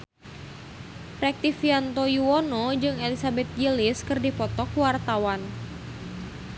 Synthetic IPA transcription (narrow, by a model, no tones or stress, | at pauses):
rɛk̚t̪ifiant̪ojuɔnɔd͡ʒɨŋelisabɛt̪̚jilɪskɨrdipɔt̪ɔkwart̪awan